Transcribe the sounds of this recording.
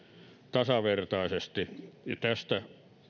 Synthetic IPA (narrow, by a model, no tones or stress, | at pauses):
t̪ɑsɑʋert̪ɑisest̪ijɑt̪æst̪æ